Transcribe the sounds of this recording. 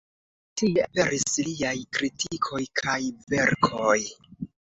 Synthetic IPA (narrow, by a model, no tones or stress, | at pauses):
tieape̞ɾisliajkɾitʰikʰo̞jkʰajve̞ɾkʰoj